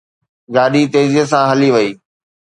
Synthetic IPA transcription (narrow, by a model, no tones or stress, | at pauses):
ɡaːɗit̪eːziəs̬ãɦɐliʋɐiː